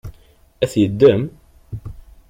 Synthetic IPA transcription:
æθjəd̪ːəm

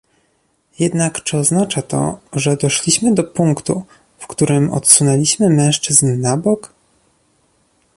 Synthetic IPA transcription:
jɛd̪nakt͡ʂɘɔznat͡ʂat̪ɔ̰ʐɛd̪ɔʂlʲiɕmɘd̪ɔpuŋkt̪ṵ | fkt̪uɾɘmɔ̰t̪sunɛlʲiɕmɘmɛ̃w̃ʂt͡ʂɘznːabɔk

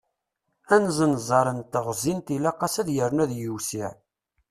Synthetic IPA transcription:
ænzənzˤɑɾˤənt̪əʁzint̪ilæqːɑsæðjəɾnæðjəwsiʕ

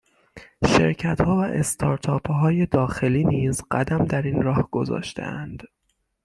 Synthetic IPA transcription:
ʃe̞̰ɾcʰæt̪hɒːvæʔest̪ʰɒːɾt̪ʰɒːpʰɦɒːje̞d̪ɒːxe̞liːniːzɢæd̪æmd̪æɾiːnɾɒːhɡ̥o̞zɒ̰ːʃt̪ʰḛænd̪̥

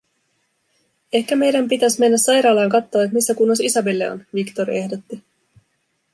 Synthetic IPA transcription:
e̞hkæme̞jdæmpit̪æsme̞nːæsːɑjɾɑːlɑːŋkɑt̪ːo̞ːet̪misːækunːosisɑbelːe̞o̰nʋikt̪o̞ɾie̞hdo̞t̪ːi

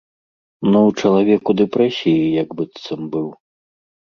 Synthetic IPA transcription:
nɔwt͡ʂɐlˠavʲɛkud̪ɛpɾɛsʲijijaɡbɨt̪sɐmbɨw

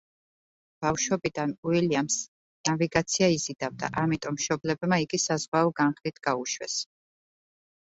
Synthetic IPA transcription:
b̥afʃwɛbid̪anuiliams | naviɡat̪sʰiaizid̪avd̪a̰ʔamit̪ʼɔmːʃɔblɛbmaiɡisazʁwaɔɡanχlit̪ʰɡ̥auʃwɛ̰s

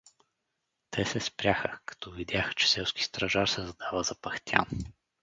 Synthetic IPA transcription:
t̪ʰɛsɛspɾʲjaxəkɐ̥t̪ɔvid̪ʲjaxə̥t͡ʃɛ̥sɛlˠskist̪ɾɐʒaɾsɛzɐd̪avəzɐpɐxt̪ʲja̰n

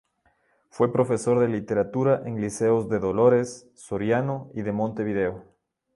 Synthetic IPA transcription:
fwe̞pɾo̞fe̞so̞ɾðe̞lit̪e̞ɾat̪uɾaʔeŋlise̞ozðe̞ðo̞lo̞ɾe̞sː | o̞ɾjanoiðe̞mõ̞nt̪e̞β̞iðe̞o

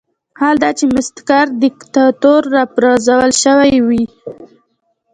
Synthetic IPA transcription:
hald̪ɑt͡ʃemɪst̪kaɾd̪ɪkt̪ɑt̪oɾːɑpɾɑzawəlʃəwajwi

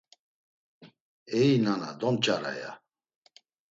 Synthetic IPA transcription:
ɛinanad̪ɔnt͡ʃʼaɾa̰ja̰

